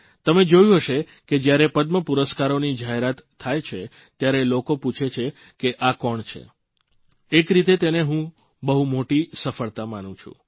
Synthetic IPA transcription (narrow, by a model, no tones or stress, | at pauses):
t̪əmed͡ʒojũɦəʃe | ked͡ʒjaɾepəd̪məpuɾəskaɾonid͡ʒaɦeɾat̪ʰːajt͡ʃʰe | t̪jaɾelokoput͡ʃʰet͡ʃʰe | keʔakɔɳt͡ʃʰḛ | ekɾit̪et̪eneɦũ | bəɦumoʈisəfəɭt̪amanũt͡ʃʰṵ̃